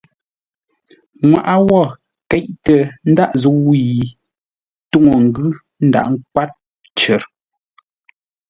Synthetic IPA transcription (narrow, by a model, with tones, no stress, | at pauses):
ŋwa̰˨ʔa˦wɔ˦˨ | kɛ˨˦ʔtə˨n̩˦da˦ʔzu˨˦wi˦˨i˨ | tu˦˨ŋo˨ŋ̩˨ɡʉ˦ | n̩˦da̰˦˨ʔŋ̩˦k̚wa˦t̚ | t͡ʃə˨ɾ